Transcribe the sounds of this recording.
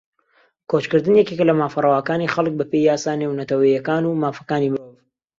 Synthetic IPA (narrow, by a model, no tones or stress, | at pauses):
kʰot͡ʃkɨɾd̪ɨnjɛkeklɐmaːfɐrˤɐwaːkaːnixɐlˠɨk̚bɐpejjaːsaːnewnɐt̪ɐwɐjɐkaːnumaːfɐ̥kaːnimɨɾoːv